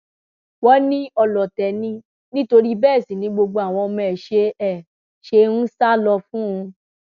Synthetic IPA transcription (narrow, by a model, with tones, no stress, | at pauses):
wɔ˦nĩ˦ɔ˧lɔ˨tɛ˨nĩ˧ | nĩ˦to˧ɾi˦bɛː˦˨sĩ˨nĩ˨˦ɡ͡bo˧ɡ͡bo˧a˨w̃ɔ̃˧mɛ̃˨ʃe˧ɛ˦˨ | ʃe˧ñ̩˦sa˦˨lɔ˧fũ˦ũ˧